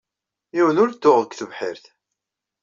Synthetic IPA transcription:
iwənʊɾt̪ːʊʁəkʷːθəvħɪɾθ

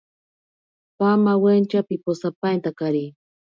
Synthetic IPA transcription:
pamawent͡ʃapiposapajnt̪akaɾi

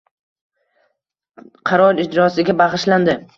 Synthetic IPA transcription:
qʰɑɾɒɾɪd͡ʒɾɒsɪɡʲabɑʁɨʃland̪ɪ

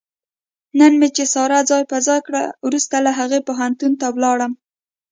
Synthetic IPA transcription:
nənmet͡ʃesɑɾad͡zɑjpazɑjkɽa̰wɾust̪alaɦaɣepoɦant̪unt̪awlɑɽəm

